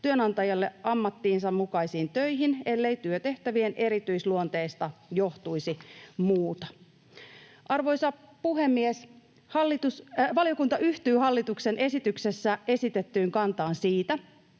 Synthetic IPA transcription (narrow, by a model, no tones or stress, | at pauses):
t̪yønɑnt̪ɑjɑlːeɑmːɑt̪ːiːnsɑmmukɑisiːnt̪øjɦine̞lːe̞it̪yøt̪e̞ht̪æʋienʔe̞ɾit̪yisluont̪eist̪ɑjoht̪uisimuːt̪ɑ̥ | ʔɑrʋo̞jsɑpuɦe̞mːies | hɑlːit̪usʋɑlijo̞kunt̪ɑʔyht̪yːhɑlːit̪uksenʔe̞sit̪ykse̞sːæe̞sit̪et̪ːyːŋkɑnt̪ɑːnsiːt̪æ